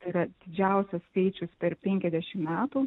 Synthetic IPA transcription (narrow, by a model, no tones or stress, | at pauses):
t̪ɐɪɾɐd̪̥ʲɪd͡ʒʲæˑʊsʲɛskɐɪt͡ʃʲʊspʲɛɾpʲɛŋʲkʲɛzd̪ʲɛʃʲɪmmʲæːt̪u